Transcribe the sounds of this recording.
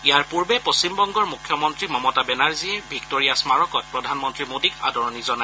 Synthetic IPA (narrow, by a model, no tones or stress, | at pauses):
ijaɹpuɹbɛpost͡ɕimbɔŋɡɔɹmukʰjɔmɔntɹimɔmɔtabɛnaɹziɛbʱiktoɹijasmaɹɔkɔt̚pɹɔdʱanmɔntɹimodika̰dʱɔɹɔnizɔnaj